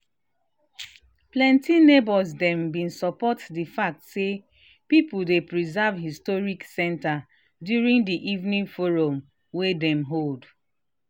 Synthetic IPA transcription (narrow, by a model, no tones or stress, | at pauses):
plɛ̃ntinebɔzdɛ̃mbĩnsɔpɔtdifak̚tse | pipudepɹizavhistɔɹiksɛ̃nta | djuɹĩndiʔivnĩnfoɹõm | wedɛ̃mɦold